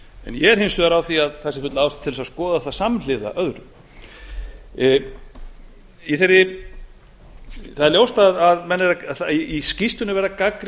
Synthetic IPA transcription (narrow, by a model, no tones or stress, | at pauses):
ɛ̰njɛɛɾ̥hɪnsvʏðaɾawθiaðθɛsɪ̥fʏt̪laawst̪ḁt̪ʰːɪlsaskɔːðaθasaml̥ɪða̰ʔœðɾʏ | iθeɾɪ | θaðɛɾljowst̪aðaðmɛnːɛɾaθaiscist̪ʏnɪvɛɾðakakɾ